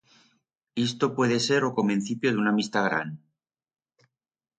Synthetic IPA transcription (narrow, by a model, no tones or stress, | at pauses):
ist̪opwe̞ð̞e̞se̞ɾokomẽn̟θipjoðeunamist̪aɣɾa̰n